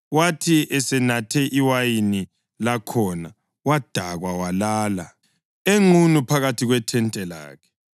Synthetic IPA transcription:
watʰiʔɛsɛnatʰɛʔiwajini | lakʰɔna | wad̥ʱaɣwawalaːla | eŋunupʰaɣatʰiɣwɛtʰɛntʼɛla̰ːkʰɛ̥

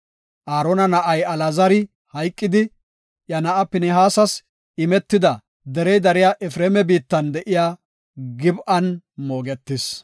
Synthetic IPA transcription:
ʔaːɾonɐnɐʔɐjɐlɐzɐɾɪ | hɐjkʼːɪd̪ɪ | jɐnɐʔɐpɪnɛɦaːsɐs | ɪmɛt̪ːɪd̪ɐ | d̪ɛɾɛjd̪ɐɾɪjaʔɛfɾeːmɛbiːt̪ːɐnd̪ɛʔɪjaː | ɡɪbʔɐnmo̞ːɡɛt̪ːɪs

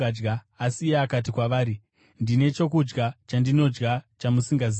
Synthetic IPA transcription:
d͡ʒɡaː | sieakat̬ikwaʋaːɾi | ndine̞t͡ʃo̞kud͡ʒɡat͡ʃandino̞d͡ʒɡat͡ʃamusiŋɡazi

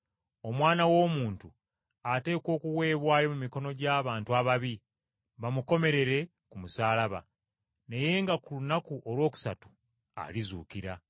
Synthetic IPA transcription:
o̞mwaːnawo̞ːmuːntu | ate̞ːko̞ːkuwe̞ːβwaːjo̞mumiko̞no̞ɟaːβaːntuaβaβi | βamuko̞me̞ɾe̞ɾe̞ | kumusaːlaβa̰ | ne̞je̞ːŋɡakulunakuʔo̞lwo̞ːku̥sa̰tu̥ | a̰lizṵːkiɾa

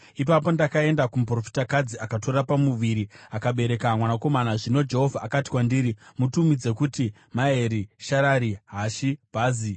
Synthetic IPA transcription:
ipap̬o̞ndakae̞ndakumup̬ro̞fi̥takad͡ziʔakato̞ɾapamuʋiɾiakaɓe̞ɾe̞kamwanako̞manaʐino̞d͡ʒe̞ɦo̞vʱaʔːkati̥wandiːɾimutumid͡ze̞kuti | mae̞ɾiʃaɾaɾiɦaʃib̥ʱaːzi

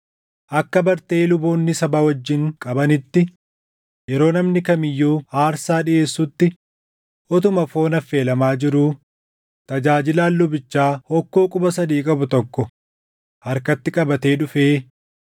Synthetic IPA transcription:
ʔɐkːɐbɐɾt̪eːlʊbo̞ːnːɪsɐbawɐd͡ʒːɪŋkʼɐbɐnɪt̪ːɪ | jɛɾo̞ːnɐmnɪkɐmɪjːuːaːɾsaːᶑɪe̞ːsːʊt̪ːɪ | ʔɔt̪ʊmɐfo̞ːnɐfːe̞ːlɐmaːd͡ʒɪɾuː | t̪ɐd͡ʒaːd͡ʒɪlaːlːʊbɪt͡ʃːaːhɔkːo̞ːkʼʊbɐsɐd̪iːkʼɐbʊt̪ɔkːɔ | hɐɾkɐt̪ːɪkʼɐbɐt̪e̞ːᶑʊfe̞ː

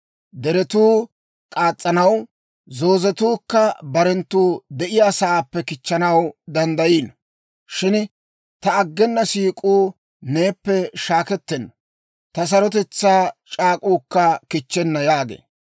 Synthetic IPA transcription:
d̪ɛɾɛt̪uː | kʼaːt͡sʼːɐnɐw | zo̞ːzɛt̪uːkːɐbɐɾɛnt̪ːuːd̪ɛʔɪjaːsɐaːpːɛkɪt͡ʃːɐnɐwd̪ɐnd̪ɐjiːn | ʃɪn | t̪ɐːɡːɛnːɐsiːkʼuː | ne̞ːpːɛʃaːkɛt̪ːɛnːɐ | t̪ɐs̬ɐɾɔt̪ɛt͡sːaːt͡ʃʼaːkʼuːkːɐkɪt͡ʃːɛnːɐjaːɡḛː

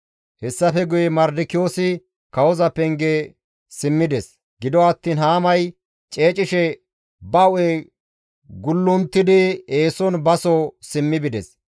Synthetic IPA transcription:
hɛsːɐfɛɡʊjɛmɐɾd̪ɪkɪjoːsɪ | kɐwɔzɐpɛŋɡe | sɪmːɪd̪ɛs | ɡ̥ɪd̪ɔɐt̪ːiːnhaːmɐj | t͡ʃʼeːt͡ʃʼɪʃɛ | bɐʊe | ɡʊlːʊnt̪ːɪd̪ɪeːsɔnbɐsɔsɪmːɪbɪd̪ɛs

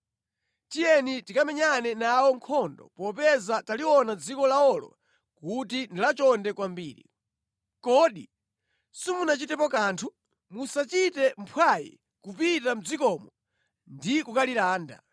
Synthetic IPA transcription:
tijɛnitikamɛɲanɛnaɔŋkʰɔndɔ̰pɔpɛzataliwɔnad͡zikɔlaɔlɔ̰ | kutindilat͡ʃɔndɛkwambiːɾḭ | kɔːɗi | simunat͡ʃitɛpɔkaːntʰu | musat͡ʃitɛm̩pʰwajḭ | kupitam̩d͡zikɔmɔ | ndikukaliɾaːnda̰

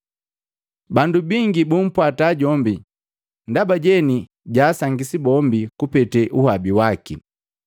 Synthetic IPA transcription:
bandubiŋɡibum̩pwataːɟɔmbi | ndabaɟɛni | ɟaːsaŋɡisibɔmbikupɛtɛʔuhabiwaki

